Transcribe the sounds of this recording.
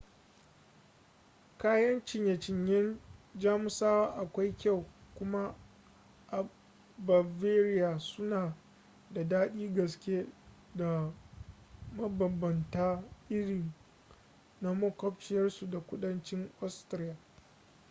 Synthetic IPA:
kaː˦jɐ˦nt͡ʃɪ˨ɲja˨t͡ʃɪ˨ɲjɛ˦nd͡ʒaː˦mʊ˦saː˦waː˦ʔa˨kʷa˦jkʲa˦˨wkʷʊ˦ma˦ | ʔa˨ | ba˨veː˦ɾɪ˦ja˨sʊ˦naː˨ | da˨daː˦ɗiː˦ɡɐ˨skʲe˦ | da˨ | mɐ˦bɐ˨bːɐ˨ntaː˦ʔɪ˦ɽi˨ | na˦mɐ˦kɔ˦p̚t͡ʃɪ˨jɐ˦rsu˨da˨kʷʊ˦ɗɐ˦nt͡ʃɪ˦ŋʔɔ˦stɾi˦jaː˨

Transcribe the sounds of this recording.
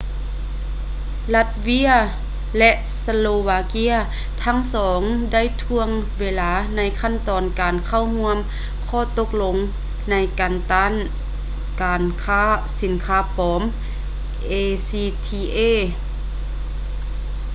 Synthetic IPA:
la˧t̪̚wi˧˥ɐ | lɛ˧ʔsa˧loː˧waː˧ki˧˥˨ɐ | t̪ʰa˧˥˨ŋsɔː˩˨˦ŋda˥˩˨jt̪ʰu˧əŋweː˧laː˧˥na˧˥jkʰa˥˨nt̪ɔː˨˩nkaː˨˩nkʰa˧˥˩wɦu˧˥əm | kʰɔː˧˩t̪o˧k̚lo˧ŋ | na˧˥jkaː˨nt̪aː˧˥˨n | kaː˨nkʰaː˧˥˨si˨˦nkʰaː˧˥pɔː˨˦m | ʔeː˧siː˧t̪ʰiː˧ʔeː˧˥˨

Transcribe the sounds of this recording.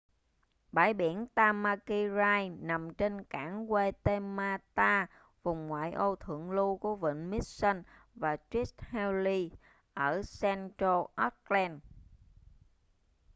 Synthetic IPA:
ɓaː˧˩jɓi˧˩ənt̪aː˧maː˧ki˧zaː˧jna˨˩mt͡ɕe˧nka̰ː˧˩˦ŋɣwe˧t̪e˧maː˧t̪aː˧ | vʊ˨˩ŋ͡mŋwa̰ː˧˨jʔo˧t̪ʰɨ̰˧˨əŋlu˧ku˧˩əvə̰˧˨nmi˦˥t̚sə˧n | vaː˨˩t͡ɕwi˦˥t̚hɛ˧wli˧ | ʔəː˧˩sɛ˧nto˧ʔɔ˦˥t̚lɛ˧n

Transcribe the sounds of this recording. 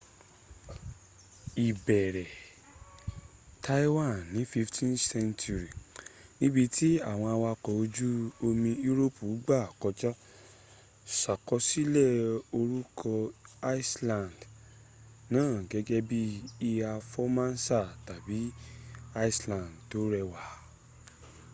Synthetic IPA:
i˨bɛ˨ɾɛ˨ | tʰa˦i˦wã˦˨nːĩ˨˦fi˦˧ftʰĩ˦nsɛ̃˦ntu˧ɾi˨nĩ˦bi˧tʰi˦a˦˨w̃ɔ̃˧a˧wa˧kɔ˨o˧d͡ʒu˦o˧mĩ˧ju˦ɾo˦˨pu˨˦ɡ͡ba˦˨kɔ˧d͡ʒɔ˦ | sa˨kɔ˧˦si˦lɛ˦˨o˧ɾu˦kʰɔ˧a˦i˦slã˨nd | nãː˦˨ɡɛ˦ɡɛ˦bi˦i˧a˧fɔ˦mã˦n˦sa˦˨ta˨bi˨˦a˦i˦slã˨ndto˨˦ɾɛ˧wa˨˦

